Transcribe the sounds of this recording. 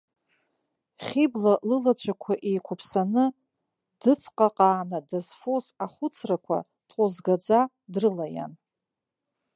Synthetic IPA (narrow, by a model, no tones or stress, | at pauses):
χʲiblalɨlat͡ɕʷʰʼakʷʰaʔejkʷʰʊpʰsanɨ | d̥ɨt͡sʰqʼaqʼaːnadazfo̞saχʷʊt͡sʰrakʷʰa̰ | d̥qʷʼozɡad͡za | drɨlaja̰n